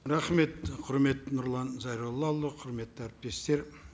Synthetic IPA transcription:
ɾɑχme̞t̪qʰʊɾme̞t̪ːɪnʊɾlˠɑnzɑjɾolˠːɑlˠːəqʰʊɾme̞t̪ːɪæɾɪp̚t̪e̞st̪e̞ɾ

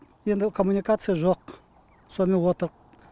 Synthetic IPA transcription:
jend̪ɪkʰomunikat̪sɨjaʒoq̚ | somenwot̪əq̚

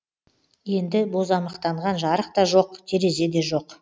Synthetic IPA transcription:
je̞nd̪ɪbo̞zɑmɑqt̪ɑɴʁɑnʒɑɾəq̚t̪ɑʒo̞qt̪ʲʰe̞ɾe̞ze̞d̪e̞ʒo̞q

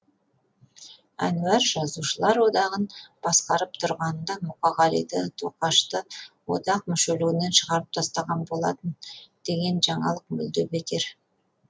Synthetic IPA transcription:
æ̰nʉæɾʒɑzuʃəlˠɑɾwo̞d̪ɑʁənb̥ɑsqɑɾəp̚t̪ʰʊɾʁɑnnd̪ɑmʊqɑʁɑlḭd̪ət̪ʰoqɑʃt̪əwo̞̰d̪ɑq̚mʏʃeluwɪne̞nʃəʁɑɾəp̚t̪ʰɑst̪ɑʁɑnbo̞lˠɑ̰t̪ənd̪̥e̞ɡʲe̞nʒɑɴɑlˠəq̚mʏ̰ld̪ebek̪ʲe̞ɾ

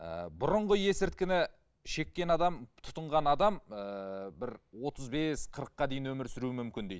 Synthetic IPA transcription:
ə̰bʊɾʊɴʁəje̞sɪɾt̪̚kʲɪnɪ | ʃe̞kʲːe̞nɑd̪ɑmt̪ʰʊ̥t̪əɴʁɑnɑd̪ɑməbɪɾwo̞t̪əzbe̞sqʰəɾəqːɑd̪e̞jɪnwɵmɪɾsʏɾuɪmʏmkʲɪnd̪ejd̪

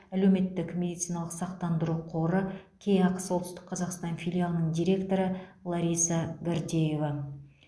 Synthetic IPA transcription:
ælewme̞t̪ːɪkmʲe̞d̪ijt̪sɨinɑlˠəqsɑq̚t̪ɑnd̪əɾuqʰo̞ɾəkʲʰe̞jŋɑqəsolˠt̪st̪ɪ̥kqʰɑzɑqst̪ɑnfʲilʲijalˠənəɴd̪ijɾʲe̞kt̪o̞ɾəlˠɑɾʲijsɑɡaɾd̪ʲeje̞vɑ

